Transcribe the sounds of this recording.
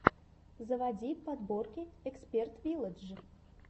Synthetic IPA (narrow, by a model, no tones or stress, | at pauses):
zəvadʲipad̪borkʲɪɛkspʲert̪vʲilˠəd̪ʐɨ